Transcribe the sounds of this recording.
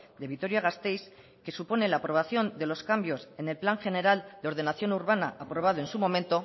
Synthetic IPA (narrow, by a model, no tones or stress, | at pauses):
d̪e̞βit̪o̞ɾjaɣ̞ast̪e̞js | ke̞supo̞ne̞laːpɾo̞β̞aθjo̞nd̪e̞lo̞skambjo̞se̞nelplaŋxe̞ne̞ɾald̪eoɾð̞e̞naθjo̞nuɾβanaʔapɾo̞β̞að̞oe̞nsumo̞ment̪o̞